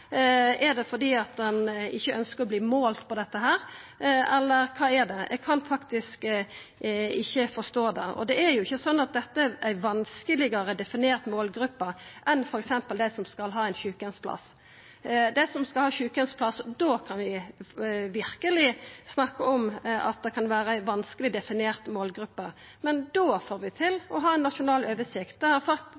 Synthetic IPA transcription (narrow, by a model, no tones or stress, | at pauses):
ɛɾɖ̪ɛfɔd̪iːɑt̪̚d̪ɛnɪçːəʔœnskəɾɔbliːmoːlt̪pʰɔd̪ɛt̪ːəɦæːɾɛlːəɾkʰɑːɛɖ̪ɛʔɛ̰ɡkʰɑnfɑkt̪ɪsk | ɪçːəfɔst̪oːd̪ɛɔ̰d̪ɛæɾjʊɪçːəsɔnːɑt̪̚d̪ɛt̪ːəæʋɑnskəlɪɡəɾəd̪ɛfɪneːɾt̪moːlɡɾʉpːəʔɛnfɔɾɛksɛmpəld̪æsɔmskɑlɦɑːɛɪnçʉːkənspʰlɑ̰s | d̪ɛsɔmskɑlhɑːçʉːkənspʰlɑsːd̪oːkʰɑnʋɪ | ʋɪɾkəlɪsnɑkːəɔmɑ̰t̪̚d̪ɛkʰɑnʋæːɾəæɪʋɑnskəlɪd̪ɛfɪneːʁt̪moːlɡɾʉpːə | mɛnd̪oːfoːɾʋɪt̪ʰɪlɔɦɑːɛɪnːɑʂʊnɑːløːʋəsɪkt̪̚d̪ɛhɑɾfɑk̪